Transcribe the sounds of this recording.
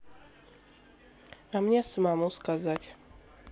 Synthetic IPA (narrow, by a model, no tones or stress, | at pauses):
amɲasəmamuskazatʲ